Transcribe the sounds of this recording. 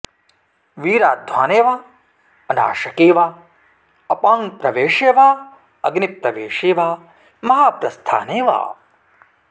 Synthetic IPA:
ʋiːɾaːd̪ʱʋaːneːʋaː | ɐna̰ːʃɐkeːʋaː | ɐpaːŋpɾɐʋeːʂeːʋaː | ɐɡnipɾɐʋeːʂeːʋaː | mɐɦaːpɾɐst̪ʰa̰ːneːʋa̰ː

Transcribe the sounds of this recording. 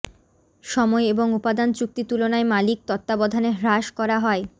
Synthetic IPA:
ʃɔmɔeeboŋupad̪ant͡ɕuk̚t̪it̪ulonaemalik̚t̪ɔt̪ːabɔd̪ʱaneɦɾaʃkɔɾaɦɔe

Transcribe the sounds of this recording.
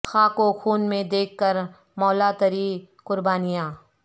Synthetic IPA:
xʰaːkoxuːnmẽd̪eːkʰːəɾ | mɔːlat̪ɐɾi | kʊɾbaːnijãː

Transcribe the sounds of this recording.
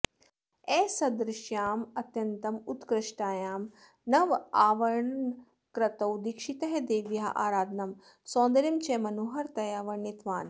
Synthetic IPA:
ɛːsɐd̪ɾɪʃjaːmɐt̪jɐnt̪ɐmut̪kɾɪʃʈaːjaːm | nɐʋaːʋɐɾɳɐn | kɾɐt̪ɐwd̪ikʃit̪ɐɦed̪eːʋjɐɦɐ̰ʔa̰ːɾaːd̪ʱnɐm | sõːnd̪ɐɾimt͡ʃeːmɐnoːɦɐɾt̪ɐjaːʋɐɾɳit̪ʋaːn

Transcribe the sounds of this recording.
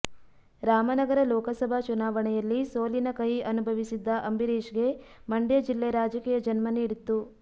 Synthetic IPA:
ɾaːmɐnɐɡɐɾɐlɔːkɐsɐbʱat͡ʃunaːʋɐɳɛjɐlːisoːlinɐkɐɦiʔɐnubʱɐʋisid̪ːɐʔɐmbiɾiːʃɡe̞mɐɳɖjɐd͡ʒilːeɾaːd͡ʒɐkiːjɐd͡ʒɐnmɐniːɽit̪ːu

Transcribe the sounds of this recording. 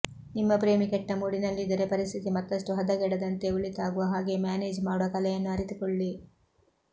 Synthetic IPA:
nimːɐpɾe̞ːmikɛʈːɐmuːɽinɐlːid̪ɐɾepɐɾist̪ʰit̪imɐt̪ːɐʂʈuɦɐd̪ɐɡɛɽɐd̪ɐnt̪euɭit̪aːɡuʋɐɦaːɡe̞ːmjaːneːd͡ʒmaːɽuʋɐkɐlɛjɐnːuɐɾit̪ukɔɭːi

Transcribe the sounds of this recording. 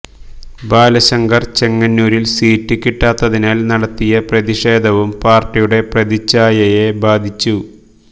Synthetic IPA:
baːlɐɕɐŋɡɐrt͡ɕe̞ŋːɐnːuːɾilsiːtːɨkːiʈːaːt̪ːɐðinaːlnɐɽɐt̪ːijɐprɐðiʂe̞ːd̪ʱɐʋumpaːrʈːijuɽe̞prɐðit͡ɕːaːjɐjebaːd̪ʱit͡ɕːu

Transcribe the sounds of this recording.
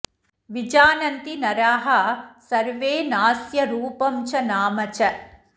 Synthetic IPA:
ʋid͡ʒaːnɐnt̪inɐɾaːɦɐsɐɾʋeːnaːsjɐɾuːpɐmt͡ʃɐnaːmɐt͡ʃɐ

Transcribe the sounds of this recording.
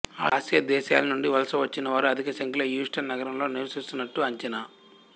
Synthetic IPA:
aːasjɐd̪ɛːʃa̰ːlɐnuɳɖiʋɐlɐsɐʋɐt͡ʃːinɐʋaːɾuɐd̪ʱikɐʃɐŋkiloːjuːsʈɐnːɐɡɐɾɐmlo̞ːniɾʋɐsist̪unːɐʈːuɐɲt͡ʃɐna

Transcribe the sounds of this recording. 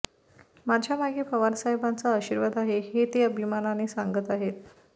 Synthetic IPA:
mad͡ʑʱjamaɡepəʋansaɦibant͡saəɕiːɾʋad̪aɦehet̪eəbʱimananesaŋɡət̪aɦet̪̚

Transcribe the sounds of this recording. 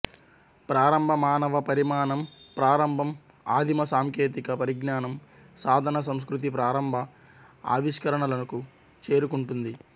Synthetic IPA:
pɾaːɾɐmbʱɐmaːnɐʋɐpɐɾimaːnɐmpɾaːɾɐmbʱɐm | aːd̪ʱimɐsaːŋkeːt̪ikɐpɐɾiɡnaːnɐm | saːd̪ʱɐnɐs̬ɐms̬kɾut̪̬ip̬ɾaːɾɐmbʱɐ | a̰ːʋiʂkɐɾɐɳɐlɐnɐku | t͡ʃe̞ːɾukuɳʈund̪i

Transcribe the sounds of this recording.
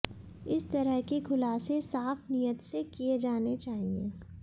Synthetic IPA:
ɪst̪ɐɾəɦkikʰʊlaːsesaːfnijət̪sekied͡ʒaːnet͡ʃaːɦiẽː

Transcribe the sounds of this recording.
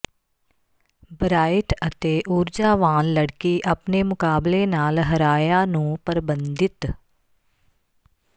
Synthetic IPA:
bɾaːɪʈət̪eːʔʊɾd͡ʒaːʋaːnləɽkiːʔəpneːmʊkaːbleːnaːlɦəɾaːjaːnũːpəɾbənd̪ɪt̪

